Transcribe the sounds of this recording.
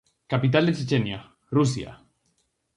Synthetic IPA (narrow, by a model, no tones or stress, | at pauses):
kapit̪̬ald̪et͡ʃet͡ʃenja | rus̬ja̰